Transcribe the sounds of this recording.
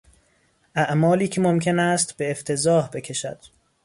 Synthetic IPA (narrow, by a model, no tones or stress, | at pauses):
ʔæʔmɒːliːcʰe̞momcʰe̞næst̪b̥e̞ːft̪ʰe̞zɒːhbe̞cʲʰe̞ʃæ̰d̪̥